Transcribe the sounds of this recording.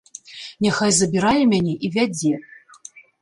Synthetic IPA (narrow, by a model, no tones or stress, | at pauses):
nʲaxajzɐbʲiɾajɛmʲanʲɛʔivʲad͡zʲɛ